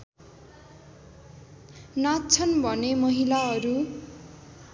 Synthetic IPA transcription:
nat̪t͡sʰʌnbʱʌnemʌɦilaɦʌɾu

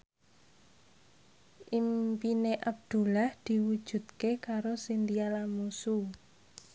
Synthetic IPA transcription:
ʔimpineʔab̚d̪̥ṳlahd̪̥i̤wud̥ʒ̥ṳt̪̚kekaɾosind̪ialamusu

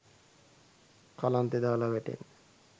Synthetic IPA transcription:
kalant̪ed̪aːlaʋɛʈḛn

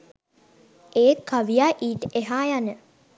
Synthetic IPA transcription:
eːkaʋijaːʔiːʈeɦaːjanə

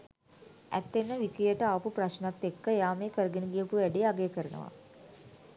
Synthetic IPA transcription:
æ̰t̪ːenːəʋikɾijəʈəaːpupraʃnat̪ːekːəjaːmeːkəɾəɡeniɡijəpuʋæɖiaɡejəkəɾənə̰ʋa̰

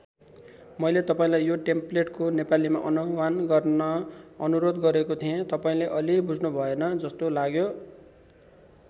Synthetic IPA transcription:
mʌjlet̪ʌpaĩlajːjoʈempleʈkonepalima̰ʔʌnowanɡʌrʌʌnuɾod̪ɡʌɾekot̪ʰiẽt̪ʌpaĩleʔʌlibud͡zʱnubʱʌenʌd͡zʌst̪olaɡjo

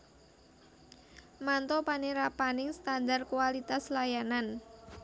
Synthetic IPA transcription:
mant̪ɔpaneɾapanɪŋst̪and̪arkuwalit̪aslajanan

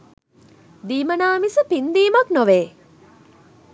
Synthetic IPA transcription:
d̪iːmɐnaːmisəpind̪iːmɐknoʋeː

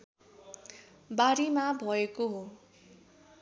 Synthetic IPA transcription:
baɾimabʱʌekoɦo

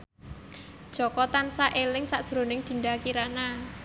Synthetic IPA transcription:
d̥ʒ̥ɔ̤kɔt̪ansaʔelɪŋsad̥ʒ̥ɾo̤nɪŋd̪̥i̤nɖakiɾana

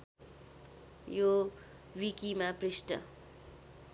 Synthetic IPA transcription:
jo | wikimaprisʈʌ̰

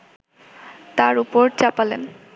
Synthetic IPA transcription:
t̪aɾupoɾt͡ɕapalen

